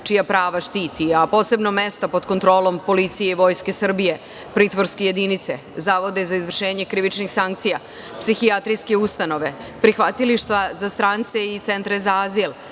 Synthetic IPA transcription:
t͡ʃijapɾaːʋaʃt̪iːt̪iapo̞ːse̞bno̞me̞st̪apo̞d̪ko̞nt̪ɾo̞ːlo̞mpo̞lit̪sijeiʋo̞ːjske̞sr̩bije̞ | pɾiːt̪ʋo̞ɾske̞je̞d̪init̪se̞ | zaːʋo̞d̪ezaizʋr̩ʃe̞ːɲe̞kɾiʋit͡ʃnixsaŋk̚t̪sija | psixijat̪ɾijskeust̪ano̞ʋe̞pɾixʋat̪iliʃt̪ʋazast̪ɾaːnt̪se̞it̪se̞nt̪ɾezaazil

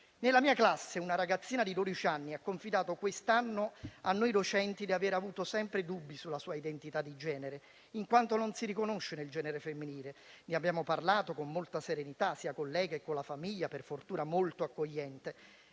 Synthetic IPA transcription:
nelːamiːaklasːeunaɾaɡat̪sːiːnad̪id̪od̪it͡ʃianːiakːoɱfid̪aːt̪okwest̪anːoanːojd̪ot͡ʃɛnt̪id̪iaveːɾavuːt̪osɛmpɾed̪ubːisulːasuːaid̪ent̪it̪ad̪ːid͡ʒɛːneɾe | iŋkwant̪ononsiɾikonoʃːeneld͡ʒɛːneɾefemːiniːleniabjaːmoparlaːt̪okomːolt̪aseɾenit̪asiːakolːɛːɡaekːonlafamiʎːaperfort̪uːnamolt̪oakːoʎːɛnt̪e

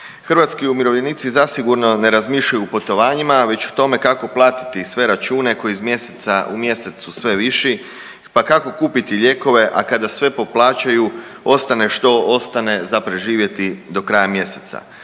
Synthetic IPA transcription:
xr̩ʋat̪skiumiɾo̞ʋʎe̞niːt̪sizasiɡuɾno̞ne̞ɾazmiʃʎajupot̪o̞ʋaːɲimaʋe̞t͡ɕu̥t̪o̞me̞kako̞plˠaːt̪i̥t̪isʋe̞ɾat͡ʃuːne̞ko̞jiizmje̞set̪saumje̞se̞t̪susʋe̞ʋiʃi | pakako̞kuːpit̪iʎe̞ko̞ʋe̞ʔakad̪asʋe̞po̞plˠaːt͡ɕaju | o̞st̪ane̞ʃt̪o̞o̞st̪ane̞zapɾe̞ʒiːʋje̞t̪id̪o̞kɾajamje̞set̪sa̰

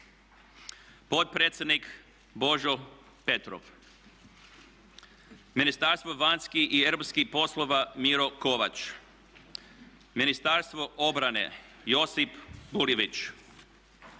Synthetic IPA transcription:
po̞t̪̚pɾeːt̪sʲje̞d̪nik | bo̞ʒo | pe̞t̪ɾo̰ʋ | minist̪aɾst̪ʋo̞ʋanskiieɾopskipo̞slˠoʋamiɾo̞koʋat͡ʃ | minist̪aɾst̪ʋo̞ʔo̞bɾanḛ | jo̞sipbuliʋit͡ʃ

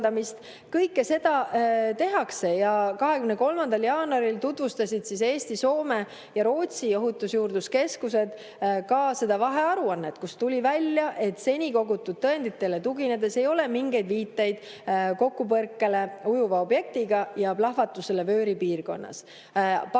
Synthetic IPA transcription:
d̪ɑmist̪ | kɤjkːese̞d̪̥ɑt̪e̞ɦɑkse̞jɑkɑɦe̞kymneko̞lmɑnd̪ɑljɑːnuɑɾilt̪ut̪vust̪ɑsʲid̪̥sise̞ːsʲt̪iso̞ːme̞ | jɑɾo̞ːt̪sio̞ɦut̪ːˑusjuːrd̪uske̞skuse̞d̪̥ | kɑse̞d̪ɑvɑɦe̞ɑɾuɑnːe̞t̪kust̪ulʲivælʲjɑʔe̞t̪se̞nʲiko̞ɡut̪ːˑud̪̥̚t̪ːɤe̞nd̪it̪ːˑe̞le̞t̪uɡine̞d̪̥e̞se̞jo̞le̞miŋɡe̞jd̪viːt̪ːˑejd̪̥ | ko̞kːupɤrkːele̞ujuvɑo̞bje̞k̚t̪iɡ̥ɑjɑplɑhvɑt̪ːˑuse̞le̞vø̞ːɾipiːrɡo̞̰nːɑ̰s | p

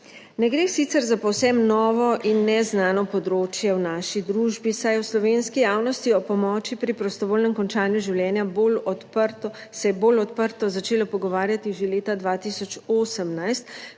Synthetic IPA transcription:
nɛɡɾeːsit̪sɛɾzapɔwsɛmnɔːʋɔʔinːɛznaːnɔpɔd̪ɾoːt͡ʃjɛwnaːʃid̪ɾuːʒbisajɛwslɔʋenskijaːwnɔst̪iɔpɔmɔːt͡ʃipɾipɾɔst̪ɔʋoːlnɛmkɔnt͡ʃaːnjuʒiwljɛːnjabolɔt̪pəɾt̪ɔ | sɛjɛboːlɔt̪pəɾt̪ɔzat͡ʃeːlɔpɔɡɔʋaːɾjat̪iʒeleːt̪ad̪ʋaːt̪iːsɔt͡ʃoːsəmnajst̪

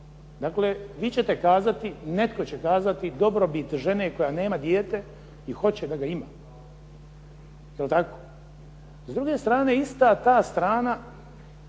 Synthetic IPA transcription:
d̪akleʋiːt͡ɕe̞t̪e̞kaːzat̪inet̪ko̞t͡ɕekaːzat̪id̪o̞bɾo̞bit̪ʒe̞ne̞ko̞jane̞ːmad̪jeːt̪e̞ | ixo̞t͡ɕed̪aɡaima | jelt̪ako̞ | zd̪ɾuɡe̞st̪ɾaːne̞ist̪at̪aːst̪ɾaːna

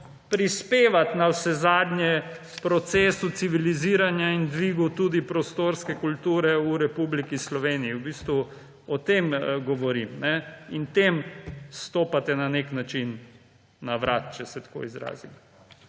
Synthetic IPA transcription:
pɾispeːʋat̪nawsɛzaːd̪njɛ | pɾɔt̪sesut̪siʋiliziːɾanjaind̪ʋiːɡut̪uːd̪ipɾɔst̪oːɾskɛkult̪uːɾɛuɾɛpublikislɔʋeːniːwbiːst̪ʋu | ɔt̪emɡɔʋɔɾimnɛint̪emst̪oːpat̪ɛnaneknat͡ʃinː | aʋɾaːt̪t͡ʃɛsɛt̪ḁko̰izɾa̰ːzim

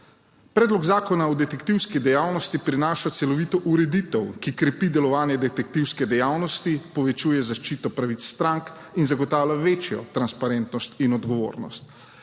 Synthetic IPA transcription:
pɾɛːd̪lɔɡzaːkɔnaɔd̪ɛt̪ɛkt̪iwskid̪ɛjaːwnɔst̪ipɾinaːʃat̪sɛlɔʋit̪ɔʔuɾɛd̪it̪ɛwkikɾɛpid̪ɛlɔʋaːnjɛd̪ɛt̪ɛk̚t̪iwskɛd̪ɛjawnɔst̪ipɔʋɛt͡ʃuːjɛzaʃt͡ʃiːt̪ɔpɾaʋit̪sːt̪ɾaŋk | inzaɡɔt̪aːwlʲaʋeːt͡ʃjɔ̰t̪ɾanspaɾɛnt̪nɔst̪inɔd̪ɡɔʋo̰ːɾnɔ̰st̪

